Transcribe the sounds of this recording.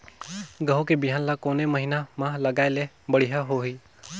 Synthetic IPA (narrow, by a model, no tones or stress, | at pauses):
ɡəɦokebɪɦaːnlakoːneməɦinamãləɡaːele | bəɽ̤iɦaɦoɦiː